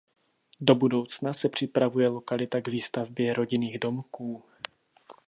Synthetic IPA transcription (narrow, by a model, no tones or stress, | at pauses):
do̞budo̞wt͡snasɛpr̝̥ɪpɾavujɛlo̞kalɪt̪aɡviːst̪avbjɛɾo̞ɟɪniːɣdo̞mkuː